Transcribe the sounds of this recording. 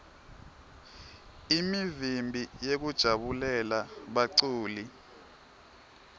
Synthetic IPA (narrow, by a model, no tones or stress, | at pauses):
imivimbʱijek̬ud̥ʒ̥ʱaɓulɛlaɓaǀuːli